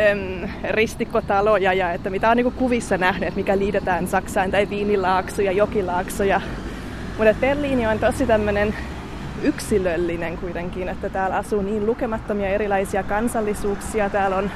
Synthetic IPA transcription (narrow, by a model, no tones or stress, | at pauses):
mrist̪ikːot̪ɑlojɑjɑet̪ːæmit̪æoniːkukuʋisːɑnæhnyeːt̪mikæliːt̪et̪æːnsɑksɑint̪ɑiʋiːnilɑːksujɑjokilɑːksojɑ | mut̪et̪̚b̥erliːniont̪osit̪æmːønen | yksilølːineŋkuit̪eŋkiːnet̪ːæt̪æːlɑsuːniːnlukemɑt̪ːomiɑeɾilɑisiɑkɑnsɑlːisuːksiɑt̪æːlon